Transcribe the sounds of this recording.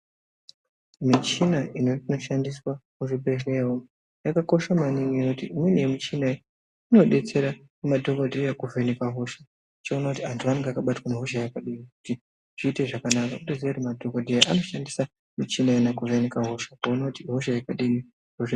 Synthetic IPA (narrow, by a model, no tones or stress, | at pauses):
mit͡ʃinainoino̞ʃandiswakuʐipeʃewo | jakako̞ʃamaniɲijinotiimwenijemit͡ʃinai | ino̞ɗe̞t͡se̞ɾa | kumadʱokodʱejakuvenekaɦoʃḁ | t͡ʃeonakutiɦantʰuʋane̞ŋɡeakaɓatwaneɦoʃajakaɗimiku̥ti | ʐ̥iːte̞ʐakanakakuɗezeɾemadʱo̞kodʱejaʔano̞ʃandisa | mit͡ʃinainakuvenekaɦo̞ʃḁkounatiɦoʃajakaɗimi | roʐe